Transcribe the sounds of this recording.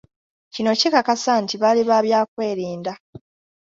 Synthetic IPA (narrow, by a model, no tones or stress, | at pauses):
cino̞cekakasantiβaliβaːβjaːkwe̞ːɾiːnda